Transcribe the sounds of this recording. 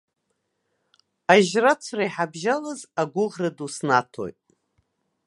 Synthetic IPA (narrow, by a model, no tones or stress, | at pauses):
aʒrat͡sʷʰraiħabʒalazaɡʷʊʁradusnatʰo̰jtʼ